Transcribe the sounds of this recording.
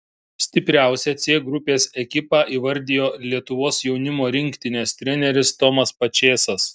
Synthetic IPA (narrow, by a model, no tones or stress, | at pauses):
sʲt̪ʲɪpʲɾʲæˑʊsʲɛt̪sʲeːɡɾʊpʲeːsɛkʲɪpɑːʔiːʋɐɾʲd̪ʲɪjoːlʲiɛt̪ʊʋoːsjɛʊnʲɪmoːɾʲɪŋʲkt̪ʲɪnʲeːst̪ʲɾʲɛnʲɛɾʲɪst̪ɔmɐspɐt͡ʃʲeːsɐs